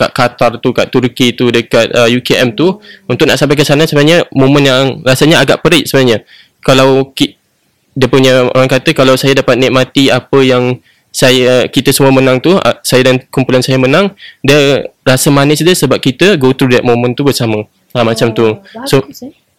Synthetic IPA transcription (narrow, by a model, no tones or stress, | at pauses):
ka̰ʔkat̪art̪ukaʔt̪urkit̪udəkat̪̚əjukeɛmt̪uunt̪ʊʔ̚naʔsampakəsanansəbənaɲəmomə̃njaŋrasaɲaaɡa̰ʔpəɾɪʔsəbənaɲə | kalawki | diəpuɲəo̰ɾaŋkat̪əkalawsajadapat̪̚niʔ̚mat̪iapəjaŋ | sajakit̪əsəmuamənãŋt̪ṵsajadankumpulansajamənãŋdiərasamanɪsdəsəbap̚kit̪əɡot̪ɾudaʔ̚momə̃nt̪ubərsamə̃ | amat͡ʃamt̪uso